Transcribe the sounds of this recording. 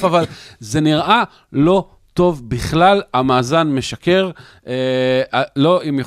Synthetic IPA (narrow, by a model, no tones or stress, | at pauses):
favalzeniʁʔa | lo̞ | to̞vbiχlalamaːzanme̞ʃake̞ʁ | ealoimja